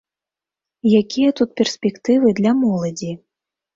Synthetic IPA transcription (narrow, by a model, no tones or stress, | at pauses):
jakʲijɐt̪ut̪̚pʲɛrsʲpʲɛkt̪ɨvɨd̪lʲamɔlˠɐd͡zʲi